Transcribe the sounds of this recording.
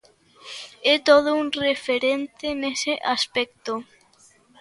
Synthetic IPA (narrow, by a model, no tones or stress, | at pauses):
ɛt̪oð̞ʊuŋrefeɾent̪ɪnesɪʔaspɛk̚t̪o